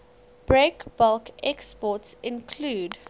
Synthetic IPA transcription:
b̥ɹekb̥ɔlkɛkspɔtsɪ̃nkʰluːd

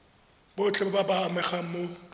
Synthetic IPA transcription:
bot͡ɬʼɛbababaːmɛχaŋ̩mo

